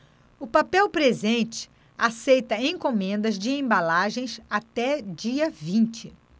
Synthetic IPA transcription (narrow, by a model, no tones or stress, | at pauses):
ʊpapɛwpɾezẽnt͡ʃɪ̥ | asejt̪ɐẽj̃komẽnd̪ɐzd͡ʒɪẽbalaʒẽj̃sat̪ɛd͡ʒiɐvĩnt͡ʃɪ